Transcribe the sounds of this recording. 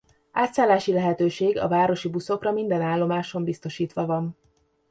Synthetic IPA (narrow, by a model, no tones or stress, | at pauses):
aːt̪saːlːaːʃilɛɦɛt̪øːʃeːɡɒ̰vaːɾo̞ʃibuso̞krɒmind̪ɛnaːlːo̞maːʃo̞mbist̪o̞ʃiːt̪ʋɒvɒn